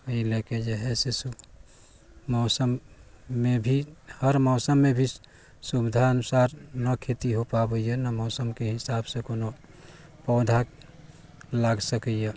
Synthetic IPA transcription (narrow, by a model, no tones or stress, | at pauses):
əileked͡ʒəɦɛsesu | mɔːsəmː | ebʱihəɾmɔːsəmːebʱi | subid̪ʱaənusaɾnəkʰet̪iɦopabəjenəmɔːsəmkeɦɪsabsẽkono | pɔːd̪ʱa | laɡsəkəje